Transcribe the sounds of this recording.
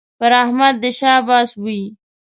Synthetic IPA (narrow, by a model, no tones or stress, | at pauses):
pəɾahmad̪̚ːəʃɑbɑːsbui